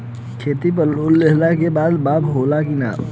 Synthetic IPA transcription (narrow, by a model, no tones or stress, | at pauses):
kʰeːt̪ip̬əɾlolːeɦlakebaːd̪baːpɦoːlakina̰ː